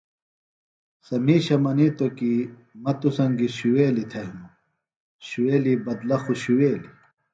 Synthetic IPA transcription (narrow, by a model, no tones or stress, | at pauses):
sɐmiːɕɐmɐniːt̪oki | mɐt̪usɐŋɡiɕuweːlit̪ʰɐɦmu | ɕuweːlibɐd̪lɐxuɕuweːli